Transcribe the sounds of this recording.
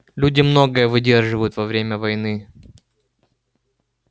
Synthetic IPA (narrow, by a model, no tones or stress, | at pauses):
lʲudʲɪmno̞ɡəjəvɨdʲe̞rʐɨvəjʊt̪vɐvɾʲemʲəvɐjnɨ